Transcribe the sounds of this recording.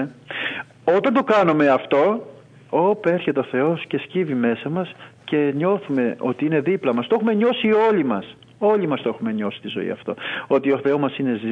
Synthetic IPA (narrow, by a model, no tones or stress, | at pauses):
o̞t̪ɐnt̪o̞kɐnume̞ɐft̪o̞ | ope̞ɾçet̪eo̞θe̞o̞sce̞scivime̞sɐmɐsce̞ɲo̞θume̞o̞̰t̪iine̞ðiplɐmɐst̪oexume̞ɲo̞sio̞limɐs | o̞limɐst̪oe̞xume̞ɲo̞si̥t̪izo̞̰ḭɐ̰ft̪o̞̰o̞t̪io̞θe̞o̞mɐsine̞z